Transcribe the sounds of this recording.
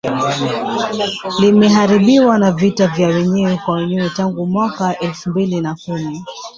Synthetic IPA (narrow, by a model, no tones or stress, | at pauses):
limɛɦaɾiɓiwanavitavjawɛɲɛwɛkwawɛɲɛwɛtaŋɡumwakaʔɛlfumbilinakumi